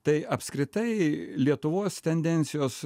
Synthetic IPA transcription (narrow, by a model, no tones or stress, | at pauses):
t̪ɐɪʔɐpʲskɾʲɪt̪ɐɪlʲiɛt̪ʊʋoːst̪ʲɛnʲd̪ʲɛnʲt̪sʲɪjoːs